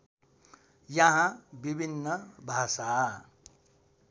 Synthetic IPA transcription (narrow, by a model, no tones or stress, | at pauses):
jʌɦãbibʱinːʌbʱasa